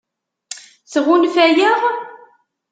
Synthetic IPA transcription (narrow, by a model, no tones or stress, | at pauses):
θʁunfæjəʁ